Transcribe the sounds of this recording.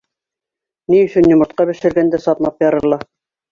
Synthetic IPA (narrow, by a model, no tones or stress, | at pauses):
niɵ̆sɵnjŏmɤ̆t̪̚qɑbɘ̆ʃɘ̆ɾɡænd̪æsɑt̪mˠɑpjɑɾɤ̆ɾlˠɑ